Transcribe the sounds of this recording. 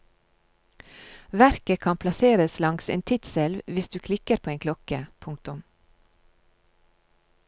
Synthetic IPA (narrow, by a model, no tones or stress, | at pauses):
ʋæɾkəkʰɑnpʰlɑseːɾəslɑŋsḛːnt̪ʰɪt̪sɛlʋʋɪsd̪ʉːkʰlɪkəɾpʰoːeːŋkʰlɔkəpʰʊŋk̚t̪ʊm